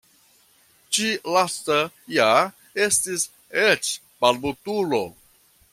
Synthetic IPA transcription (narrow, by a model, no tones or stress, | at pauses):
t͡ʃilasta | ja | estis | et͡ʃ | palbutulo